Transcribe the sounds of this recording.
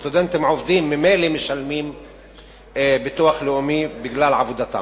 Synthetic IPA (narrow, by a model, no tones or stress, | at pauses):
t̪ʊd̪ant̪mʕofd̪iːmːɪmeːlimɪʃalmiːm | bɪt̪uaxlʊʔʊmibɪɡlaːlʕabud̪at̪a̰